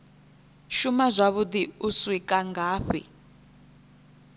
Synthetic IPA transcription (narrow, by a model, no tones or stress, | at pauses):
ʃumazʷaβud̪iuswikʼaŋɡaːɸḭ